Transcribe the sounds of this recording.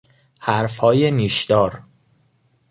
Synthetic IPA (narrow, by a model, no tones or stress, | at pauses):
hæɾfhɒːjeniːʃd̪̥ɒːɾ